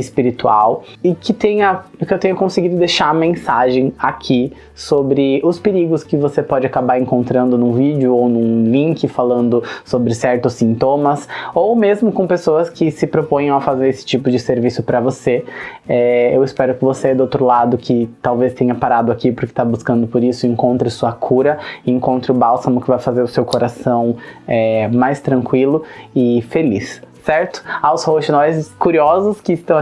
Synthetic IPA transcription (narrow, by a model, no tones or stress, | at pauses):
ɪspiɾit̪ua̰w | ɪkɪt̪ẽjɐʊkɪewt̪ẽɲ̃ʊkõsɪɡid̪ʊd̪ejʃaɐmẽsaʒẽj̃akʰi | sobɾɪʊspeɾiɡʊskɪvosepɔd͡ʒɪakabaɾẽŋkõnt̪ɾɐ̃nd̪ʊnũvid͡ʒɪʊownũlĩŋkɪfalɐ̃nd̪ʊsobɾɪsɛɾt̪ʊsːĩnt̪õmɐsowmezmʊkõpesoɐskɪsɪpɾopõj̃ɐ̃w̃ɐfazeɾesɪ̥t͡ʃipʊd͡ʒɪseɾvisʊpɾɐvoseɛewɪspɛɾʊkɪvosed̪ʊowt̪ɾʊlad̪ʊkʰɪt̪awvest̪ẽɲɐpaɾad̪ʊakipʊɾkɪ̥t̪abuskɐ̃nd̪ʊpoɾisʊẽŋkõnt̪ɾɪsuɐkʰuɾɐẽŋkõnt̪ɾɪʊbawsɐ̃mʊkɪvajfazeɾʊsewkoɾasɐ̃w̃ɛmajst̪ɾɐ̃ŋkwilʊɪfelisː | ɛɾt̪ʊ̥awshowʃɪnɔjzɪskuɾiɔzʊskɪːst̪ɐ̃w̃